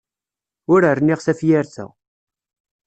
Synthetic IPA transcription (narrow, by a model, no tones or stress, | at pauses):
ʊɾərniʁsæfjæɾθæ̰